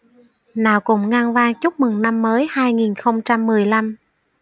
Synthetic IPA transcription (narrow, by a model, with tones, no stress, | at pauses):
naː˨˩wkʊ̰˧˩ŋ͡mŋaː˧ŋvaː˧ŋt͡ɕu˦˥k͡p̚mɨ˨˩ŋna˧mːəː˨˦jhaː˧jŋi˨˩nxə˧wŋ͡mt͡ɕa˧mːɨ˨˩əjla˧m